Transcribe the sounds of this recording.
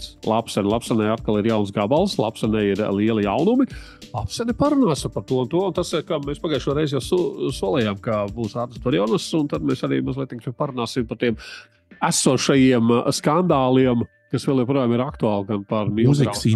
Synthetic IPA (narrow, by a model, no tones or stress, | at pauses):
lˠapsɛnʲlˠapsɛnɛjat̪kalˠiɾjawns̬ɡabalˠslˠa̰psɛnɛjiɾlˠiɛlˠijawnumi | lˠapsɛnɛpaɾunaːspaɾt̪uɔunt̪uɔunt̪asikamespaɡajʃuɔɾɛjzjawssuɔlˠɛjamkabuːsaːɾt̪əsd̪uɾiɔnasʊnt̪ad̪meːsaɾḭːmazlˠiɛt̪iŋksɛpaɾunaːsimpaɾt̪iɛm | æsuɔʃajiɛmskand̪aːlˠiɛm | kasʋɛlˠjɛpɾuɔjaːmiɾakt̪uaːlˠɡanpaɾmʲizisi